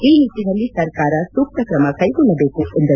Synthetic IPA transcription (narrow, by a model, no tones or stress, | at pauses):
iit̪inɐlisɐɾkaːɾasuk̚t̪ɐkɾɐmakʰaiɡunɐbekuund̪ɐ